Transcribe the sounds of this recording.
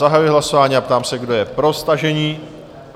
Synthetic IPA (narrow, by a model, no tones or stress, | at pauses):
aɦajuɪɦlaso̞vaːɲiːapt̪aːmsɛɡdo̞jɛpɾo̞st̪aʒɛɲiː